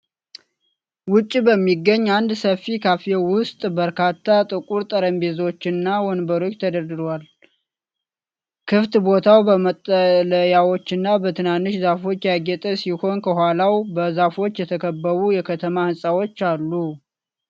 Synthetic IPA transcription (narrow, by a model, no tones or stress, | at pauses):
wʊt͡ʃʼːibəmːiɡːəɲːand̪səfikʰafewʊst̪ʼbəɾkʰat̪ʰːat̪ʼɨkʼuɾt̪ʼəɾəmbe̞zo̞t͡ʃːɪnːawɔnbəɾo̞t͡ʃːt̪ʰəd̪əɾd̪ɨɾwal | kʰɨft̪bo̞t̪ʰawbəmət̪ʼːələjawo̞t͡ʃːɨnːabət̪ʰɨnanːɨʃzafo̞t͡ʃːjaɡɛt̪ʼəsiho̞nkʰəhʷalawbəzafo̞t͡ʃːjɛt̪ʰəkʰəbːəβujɛkʰət̪ʰəmahɨnsʼawo̞t͡ʃːalːu